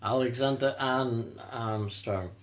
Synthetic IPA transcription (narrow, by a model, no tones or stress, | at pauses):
aɪlˠɨɡzɛ̃ndəʔãn | ãmstɹ̥ɔ̃ŋ